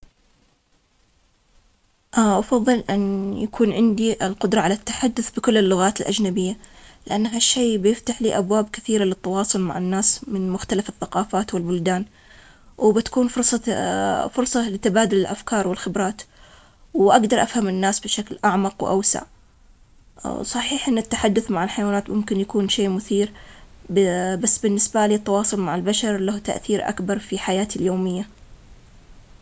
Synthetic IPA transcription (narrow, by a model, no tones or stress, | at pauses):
ʔaʔɑfɑðˤːɨlʔɪnjakʰuːnʕɪnd̪iʔɪlqʊd̪ɾˤɑʕalat̪ːḁħad̪ːʊθbɪkʊlːɪlːʊɣaːt̪ɪlʔad͡ʒnabɪjːalɪʔanːɦaʃːeːbjɪft̪aħliːʔabwaːbkɪθiːɾalɪt̪ːɑwɑːsˤʊlma̰ʕɪnːaːsmɪnmʊxt̪alafɪθːaqɑːfaːt̪wɪlbʊld̪aːn | wbɪt̪ḁkuːnfʊɾsˤɑ | fʊɾˤsˤɑlɪt̪abaːd̪ʊlɪlʔafkɑːɾˤwɪlxɪbɾˤɑːt̪ | wʔaɡd̪ɑɾˤʔafhamɪnːaːsbɪʃaklʔaʕmɑqwʔa̰wsa̰ʕ | sˤɑħiːħʔɪnːɪt̪ːaħad̪ːʊθmaʕɪlħajwaːnaːt̪mʊmkɪnjakuːnʃeːmʊθiːɾbbasːbɪnːɪsbaliːt̪ːɑwɑːsˤʊlmaʕɪlbaʃɑɾˤlaht̪a̰ʔθiːɾʔa̰kbɑɾˤfiħajaːt̪ɪljoːmɪjːa